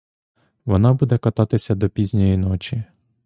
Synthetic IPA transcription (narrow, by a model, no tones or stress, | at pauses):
ʋɔnɑbud̪ɛkɐt̪ɑt̪ɪsʲɐd̪ɔpʲizʲnʲɔjinɔt͡ʃi